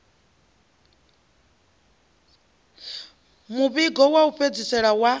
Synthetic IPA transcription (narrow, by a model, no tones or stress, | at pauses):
muβiɡɔwauɸʰed͡zisɛɺawa